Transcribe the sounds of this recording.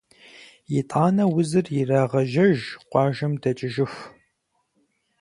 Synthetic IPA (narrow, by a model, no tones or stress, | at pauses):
jɪtʼaːnɐwʊzɨrjɪraːʁɐʒɐʒqʷɑːʒɐmdɐt͡ʃʼɪʒɪf